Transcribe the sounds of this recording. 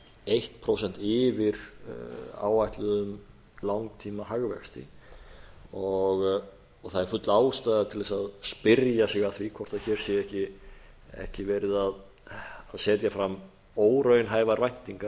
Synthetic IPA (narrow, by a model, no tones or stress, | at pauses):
ejht̪pʰɾowsɛnt̪ɪvɪɾ | a̰ːwvajht̪lʏðʏm | lawŋt̪ʰiːmahaɣvɛ̰xst̪ɪ̰ | ɔɣ | ɔɣθaðɛɾfʏt̪laːwst̪ajðat̪ʰɪlvɛsaðspɪɾjasɪɣaðθvikʰvɔr̥t̪aðçɛːɾ̥sjɛhcɪ | ɛ̰hcɪvɛːɾɪðað | aðsɛːt̪jafɾam | oːwɾœɥjnɦaːjvaɾvajn̥t̪iŋka